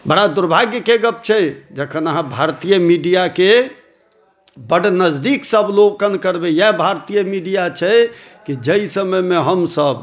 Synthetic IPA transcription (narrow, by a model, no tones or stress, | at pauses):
bəɽad̪uɾbʱaɡjəkeɡəp̚t͡ʃʰɛd͡ʒəkʰənəɦãbʱaɾt̪ijəmiɖijake | bəɽnəd͡ʒd̪iksəblokənkəɾbejabʱaɾt̪ijəmiɖijat͡ʃʰɛ | kid͡ʒəisəməjmẽɦəmsəb